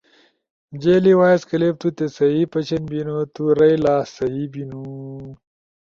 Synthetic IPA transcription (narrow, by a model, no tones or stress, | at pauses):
md͡ʑeːliwaːjeskɐlep̚t̪ut̪esɐɦipɐt͡ɕʰɐnbinot̪uɾɐjlaːsɐɦibinu